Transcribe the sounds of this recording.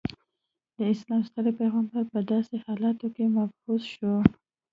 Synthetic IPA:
d̪əɪslɑmst̪aɾepajɣɑmpapəd̪ɑsehɑlɑt̪okemafhuzʃo

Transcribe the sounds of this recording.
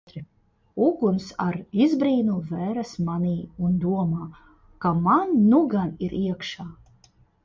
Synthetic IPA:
ɾ | uɡunsaɾizbɾiːnuvɛɾasmaniːund̪uɔmaː | kamanːuɡaniɾʔiɛkʃaː

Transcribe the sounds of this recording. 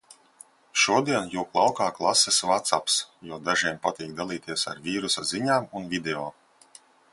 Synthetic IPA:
ʃuɔd̪iɛnjuːklˠawkaːklˠasɛsvat̪sapsjuɔd̪aʒiɛmpat̪iːk̚d̪alˠiːt̪iɛsa̰ɾvʲiːɾusaziɲaːmunvʲid̪eɔː

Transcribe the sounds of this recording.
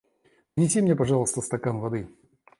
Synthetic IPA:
pnʲɪsʲimnʲepaʐalˠəst̪əst̪ɐkamvɐd̪ɨ

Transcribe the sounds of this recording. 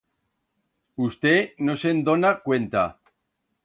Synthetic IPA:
ust̪enosend̪onakwent̪a̰

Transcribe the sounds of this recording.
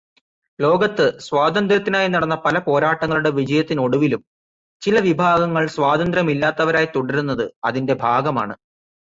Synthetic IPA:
lo̞ːɡɐt̪ːɨsʋaːd̪ɐnd̪ɾɐt̪ːinaːjinɐɽɐnːɐpɐlɐpo̞ːɾaːʈːɐŋːɐɭuɽe̞ʋid͡ʑɐjɐt̪ːino̞ɽuʋilum | t͡ɕilɐʋibʱaːɡɐŋːɐɭsʋaːd̪ɐnd̪ɾɐmilːaːt̪ːɐʋɐɾaːjit̪oɽɐɾunːɐðɨɐðinde̞bʱaːɡɐma̰ːɳɨ

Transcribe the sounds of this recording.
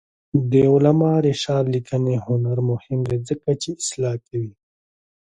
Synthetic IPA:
d̪eulɐmaːɾeʂaːɾlikʰəneɦunɐɾmuhimd̪ed͡zəkɐt͡ʃiːslaːkewi

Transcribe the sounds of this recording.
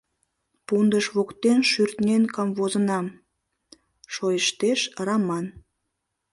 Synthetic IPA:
pund̪əʃβokt̪enʃyrt̪nʲenkɑmvozənɑm | ʃojəʃt̪eʃrɑmɑn

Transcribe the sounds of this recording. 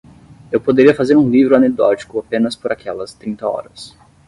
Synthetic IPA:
ewpod̪eɾiɐfazeɾũlivɾʊɐned̪ɔt͡ʃi̥kʊapẽnɐspoɾakʰɛlɐst̪ɾĩnt̪ɐɔ̰ɾɐs

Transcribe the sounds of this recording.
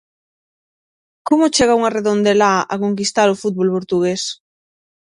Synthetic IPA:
komʊt͡ʃeɣ̞auŋareðond̪elaʔakoŋk̬ist̪aɾofut̪̚βolpoɾt̪uɣ̞es

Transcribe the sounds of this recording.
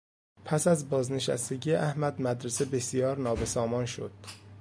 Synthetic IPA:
pʰæsæzbɒːzne̞ʃæ̰st̪e̞ɟijeʔæhmæd̪mæd̪ɾese̞be̞sijɒːɾnɒːbe̞sɒːmɒːnʃo̰d̪̥

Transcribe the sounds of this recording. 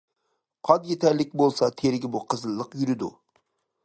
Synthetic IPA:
qʰɑd̪jet̪ʰɛɾlɪk̚ʲbolˠsɑt̪ʰeɾɡʲɪbuqʰəzɨlˠːəqjyɾɪd̪ṵ

